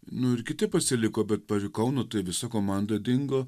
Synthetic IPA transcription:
nʊɪɾkʲɪt̪ʲɪpɐsʲɪlʲɪkoːbʲɛt̪̚pɐɾʲɪkɐʊnoːt̪ɐɪʋʲɪsɐkoːmɑˑnd̪oːd̪ʲɪŋɡoː

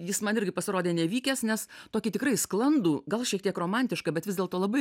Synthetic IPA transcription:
jɪsmɐnɪɾʲɡʲɪpɐsʲɪɾoːdʲeːnʲɛʋʲiːkʲɛsnʲɛst̪oːkʲɪt̪ʲɪkɾɐɪsklˠɐnd̪uːɡɐlˠʃʲiɛkt̪ʲiɛkroːmɐnʲt̪ʲɪʃkɐbʲɛt̪ʋʲɪzd̪ʲeːlˠt̪oːlˠɐbɐɪ

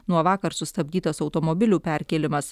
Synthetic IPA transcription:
nuɔʋɑːkɐɾsʊst̪ɐbʲd̪ʲiːt̪ɐsɒʊt̪omɔbʲɪlʲuːpʲæˑɾʲkʲelʲɪmɐs

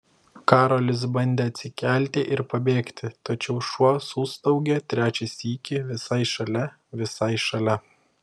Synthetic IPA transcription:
kɑːɾolʲɪs̬bɐnʲd̪ʲeːɐt̪ʲsʲɪkʲæˑlʲt̪ʲɪʔɪɾpɐbʲeːkt̪ʲɪt̪ɐt͡ʃʲɛʊʃuɔsuːst̪ɒʊɡʲɛt̪ʲɾʲæːt͡ʃʲɛsʲiːkʲɪʋʲɪsɐɪʃɐlʲɛ | ʋʲɪsɐɪʃɐlʲɛ

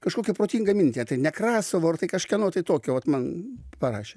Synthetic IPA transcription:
kɐʃkoːkʲɛpɾoːt̪ʲiːŋɡɐmʲɪnʲt̪ʲiɛt̪ɐɪnʲɛkɾɑːsɐʋoːɐrt̪ɐɪkɐʃkʲɛnoːt̪ɐɪt̪oːkʲoːʋɐt̪mɐnpɐrɑːʃʲe

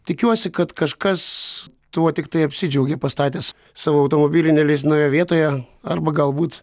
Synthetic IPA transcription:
t̪ʲɪkʲuɔsʲɪkɐt̪kɐʃkɐs | t̪uɔt̪ʲɪk̚t̪ɐɪɐpʲsʲɪd͡ʒʲɛʊɡʲepɐst̪ɑːt̪ʲeːs | sɑːʋoːɐʊt̪oːmobʲiːlʲɪnʲɛlʲes̬ʲnɐʊjoʋʲiɛt̪oːjɛ | ɐrbɐɡɐlˠbuːt̪

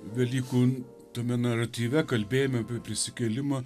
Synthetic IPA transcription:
ʋʲɛlʲiːkuː | t̪omʲɛnɐrɐt̪ʲiːʋʲɛkɐlʲbʲeːjomʲɛpʲipʲɾʲɪsʲɪkʲɛlʲɪmɐ

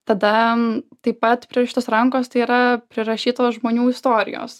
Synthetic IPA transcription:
t̪ɐd̪ɐt̪ɐɪppɐt̪pʲɾʲiɛʃʲɪt̪oːsɾɐŋkoːst̪ɐɪiːɾɐpʲɾʲɪɾɐʃʲiːt̪oːsʒmoːnʲuːɪst̪oːɾʲɪ̰jo̰ːs

